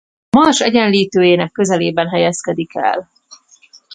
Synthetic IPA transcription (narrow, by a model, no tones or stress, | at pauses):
mɒrʃɛɟɛnliːt̪øːjeːnɛkːø̞zɛleːbɛnɦɛjɛskɛd̪ikʰɛ̰l